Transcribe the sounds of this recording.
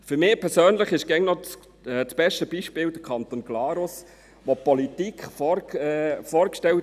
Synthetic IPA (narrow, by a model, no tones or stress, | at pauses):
fyɾmɪːpʰɛɾsøːnləχɪʃɡ̥ɛŋnɔ | t͡sb̥ɛʃtəb̥iʃpɪːld̥̪əkʰɑnt̪onɡ̥lɑːɾʊs | ʋopɔlitikʰχfɔ | fɔːɾkʃtɛl